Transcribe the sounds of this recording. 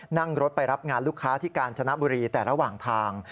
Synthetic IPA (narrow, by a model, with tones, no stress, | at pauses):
na˥˩ŋɾo˦˥t̪̚pa˧jɾa˦˥p̚ŋaː˧nluː˦˥˩kʰːaː˦˥t̪ʰiː˥˩kaː˧nt͡ɕʰa˧na˦˥bu˧ɾiː˧t̪ɛː˨˩ɾa˧waː˨˩ŋt̪ʰaː˧ŋ